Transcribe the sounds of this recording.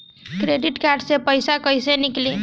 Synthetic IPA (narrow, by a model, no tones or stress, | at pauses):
kɾeɖiʈkaɾɖsepəjsakəjsenikli